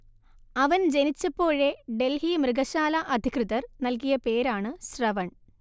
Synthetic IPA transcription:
ɐʋɐnd͡ʑe̞nit͡ɕːɐpːo̞ːɻe̞ɖe̞lhimrɨɡɐɕaːlɐʔɐd̪ʱikrɨðɐrnɐlkijɐpe̞ːɾaːɳɨɕrɐʋɐɳ

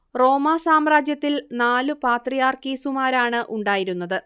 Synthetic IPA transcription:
ro̞ːmaːsaːmraːd͡ʑjɐt̪ːilnaːlɨpaːt̪rijaːrkiːsumaːɾaːɳɨʔuɳɖaːjiɾunːɐðɨ

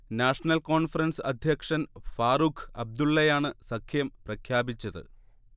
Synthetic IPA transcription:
naːʂɐnɐlko̞ːɳfɐrɐnsɐd̪ʱjɐkʂɐnfaːrukʰɐb̚d̪uɭːɐjaːɳɨsɐkʰjɐmprɐkʰjaːbit͡ɕːɐðɨ̰

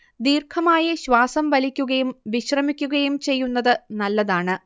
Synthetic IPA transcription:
d̪iːrkʰɐmaːjɐɕʋaːsɐmʋɐlikʲːuɣɐjumʋiɕrɐmikʲːuɣɐjumt͡ɕe̞jːunːɐðɨnɐlːɐðaːɳɨ

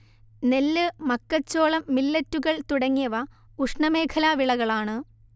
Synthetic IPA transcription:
nelːɨmɐkːɐt͡ɕːo̞ːɭɐmːilːɐtːuɣɐɭt̪uɽɐŋːijɐʋɐ | uʂɳɐme̞ːkʰɐlaːʋiɭɐɣɐɭaːɳɨ

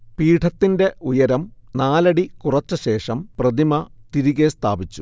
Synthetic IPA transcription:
piːʈʰɐt̪ːinde̞ujɐɾɐmnaːlɐɽikurɐt͡ɕːɐɕe̞ːʂɐmprɐd̪imɐt̪iɾiɣest̪ʰa̰ːbit͡ɕːu̥

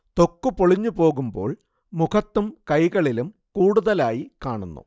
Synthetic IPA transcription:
t̪o̞kːupoɭiɲːupo̞ːɣumbo̞ːɭ | mukʰɐt̪ːumkɐjɣɐɭilum | kuːɽuðɐlaːjikaːɳunːṵ

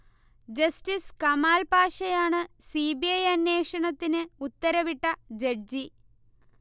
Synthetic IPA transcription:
d͡ʑɐsʈiskɐmaːlpaːʂɐjaːɳɨsiːbiɐjɐnːe̞ːʂɐɳɐt̪ːinɨut̪ːɐɾɐʋiʈːɐd͡ʑeɖ̚d͡ʑi

